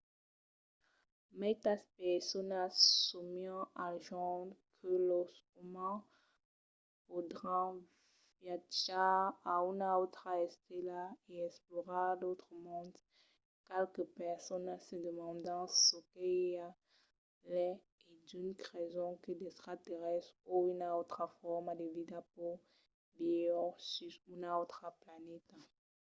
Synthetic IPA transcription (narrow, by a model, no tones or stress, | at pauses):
mɛt̪aspɛʁsɔnasumiɔ̃aʒɑ̃dkʰəlɔs | umɑ̃ | vod̪ʁɑ̃ | vjat͡ʃaaynaot̪χaɛst̪elaeɛsplɔʁalot̪χəmɔ̃d̪ | kɛlkəpɛʁsɔnasəd̪əmɑ̃d̪ɑ̃sokea | lɛ | ed̪ynkʁɛzɔ̃kəd̪est̪χat̪eʁɛstoynaot̪χafɔʁmad̪evid̪apo | bijɔsyʁynaot̪χaplanɛt̪a